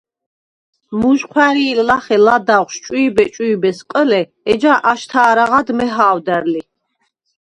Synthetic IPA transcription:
muʒqʰwæɾiːllaχɛlad̪aʁʃt͡ʃʼuːbɛt͡ʃʼuːbɛsqʼəlɛ | ɛd͡ʒaʔaʃt̪ʰaːɾaʁad̪mɛɦaːwd̪ɛɾli

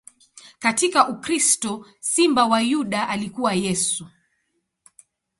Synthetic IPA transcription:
katikaʔukɾistɔ | simbawajuɗaʔalikuwajɛsu

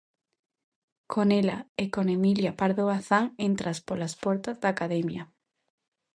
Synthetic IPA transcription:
kʰonelaekonemiljapaɾðoaθaŋent̪ɾaspolaspɔɾt̪azðaːkaðɛmja

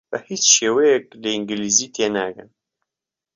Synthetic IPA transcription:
bəhit͡sʃeːwejɛk̚ləiŋɡiliːziːt̪ʰena̰ːkɨ̰n

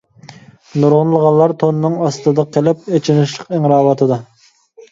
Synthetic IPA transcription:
nuɾʁʊnlˠəʁɑnlˠɑɾt̪ʰonnɨŋɑst̪ɨd̪ɑqʰelɪp̚et͡ʃʰɪnɪʃlˠəqiŋɾɑːwɑt̪ʰɨd̪ɑ

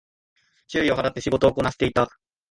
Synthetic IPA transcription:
t͡ɕɨːio̞ɦaɾat̪ːe̞ɕiɡo̞t̪oːko̞naɕe̥t̪eit̪a

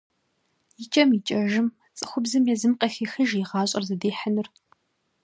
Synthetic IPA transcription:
jɪt͡ʃʼɐmit͡ʃʼɐʒɪm | t͡sʼɨxʷʊbzɨmjɛzɨmqʼɐxiːxɨʒiʁɑːɕʼɐ̰rzɐdeːħanɨr

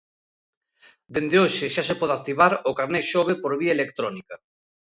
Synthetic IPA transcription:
d̪end̪eoʃɪʃasepɔðak̚t̪iβaɾokaɾneʃoβ̞epoɾβiaelekt̪ɾɔnika

